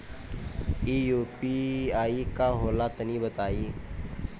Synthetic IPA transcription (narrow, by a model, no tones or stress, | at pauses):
iːjuːpiaːikaɦoːlat̪ənibət̪aːiː